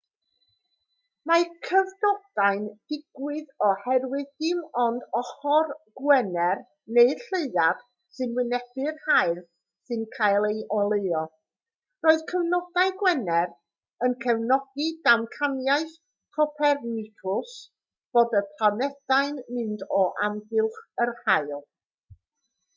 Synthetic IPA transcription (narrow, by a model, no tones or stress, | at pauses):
makʰəvdɔd̥aɨnd̥ɪɡ̥wɨðɔhɛrwɨðdɪmɔndɔχɔrɡ̥wɛnɛr | neɨrɬeɨðad̥ | sɨnwɪnɛd̥ɨrhaɨr | sɨnkʰajlˠejʔɔlˠejɔ | roːɨðkʰəwnɔd̥aɨɡwɛnɛr | ənkʰɛwnɔɡ̥idamkʰanjajθ | pʰɔpʰɛrnɪtʰʊs | b̥oːdəpʰlˠanɛd̥ajnmɨndɔʔamvɪlˠχərhaɨlˠ